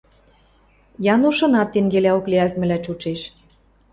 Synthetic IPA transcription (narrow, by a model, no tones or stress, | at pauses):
jɑnuʃɤ̆nɑt̪ːeŋɡelæokleælt̪mɘ̆læt͡ɕut͡ʃeʃ